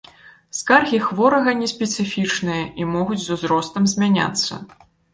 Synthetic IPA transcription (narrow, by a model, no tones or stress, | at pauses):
skarɣʲixvɔɾɐɣɐnʲɛsʲpʲɛt̪sɨfʲit͡ʂnɨjɐʔimɔɣud͡zʲzuzɾɔst̪ɐmzʲmʲanʲa̰t̪sːɐ̰